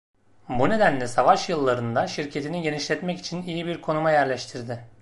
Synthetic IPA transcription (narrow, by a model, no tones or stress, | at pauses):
bune̞d̪ænlʲɛsavaʃjɯlˠːaɾɯnd̪aʃiɾcʰe̞t̪ʰiniɟe̞niʃlʲɛt̪mɛci̥t͡ʃʰinijibiɾkʰo̞numajæɾlʲɛʃt̪ʰiɾd̪ɪ